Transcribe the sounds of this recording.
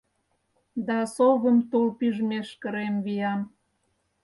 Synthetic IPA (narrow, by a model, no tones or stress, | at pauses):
d̪ɑsoβəmt̪ulpyʒmeʃkə̆ɾemβijɑn